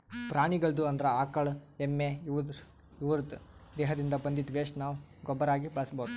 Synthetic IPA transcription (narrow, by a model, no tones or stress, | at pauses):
pɾaːɳiɡɐɭd̪uɐnd̪ɐɾɐaːkɐɭemːeʋd̪ | ʋuɾt̪d̪ɛːɦɐd̪ind̪ɐbɐnd̪id̪ʋeːʂnaːʋuɡɔbːɐɾaːɡibɐɭɐsboːd̪u